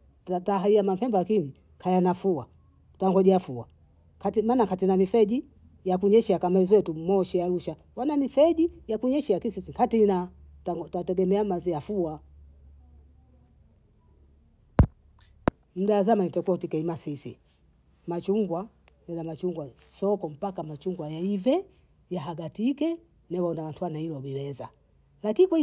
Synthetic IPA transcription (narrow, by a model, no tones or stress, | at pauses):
ataɦaiamam̩pɛmbalakini | kʰajanafuwa | taŋɡɔʄiafua | kʰatimaːnakatinamifɛʄi | jakuɲɛʃɛakamaizwɛtumɔʃɛaluʃa | wanamifɛʄijakuɲɛʃɛlakisisikatinataɡtatɛɡɛmɛamaziafua | m̩daːzamanitakwɔtikɛimasisḭ | mat͡ʃuŋɡwa | jɛlamat͡ʃuŋɡwa | sɔkɔm̩pakamat͡ʃuŋɡwajaivɛ | jaɦaɡatikɛ | nɛwaɔnawantʰuwanahilɔbiwɛza | lakinikwa